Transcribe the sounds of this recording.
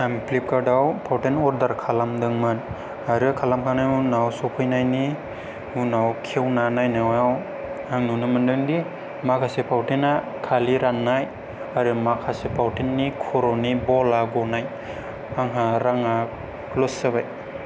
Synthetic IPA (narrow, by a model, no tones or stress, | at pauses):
amplip̚kadawpʰawtenɔɾdaɾkʰalamdɯŋmɯn | aɾɯkʰalamkʰanajunawsɔpʰɯjnajni | unawkʰewnanajnawaw | aŋnunɯmɯndɯŋdi | makʰasepʰawtena | kʰaliɾanːaj | aɾɯmakʰasepʰawtenːikʰuɾɔnibɔlaɡɔnaj | aŋɦaɾaŋa | losɯbaj